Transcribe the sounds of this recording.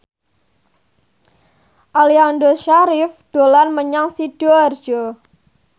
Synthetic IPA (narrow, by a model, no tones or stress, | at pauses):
ʔaliandoʃaɾifd̪̥o̤lanməɲaŋsid̥ɔr̥d͡ʒ̥ɔ